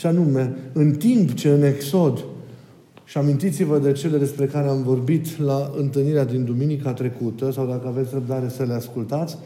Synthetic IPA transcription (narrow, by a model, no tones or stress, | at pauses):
ʃianume̞ɨnt̪impt͡ʃe̞ɨne̞kso̞d̪ | ʃiamint̪it̪sivəd̪e̞t͡ʃe̞le̞d̪e̞spɾe̞kaɾeamvo̞rbit̪laɨnt̪ɨlniɾead̪ind̪uminikat̪ɾe̞kut̪əsawd̪akəave̞t̪sʲrəb̚d̪aɾe̞səle̞askult̪at̪sʲ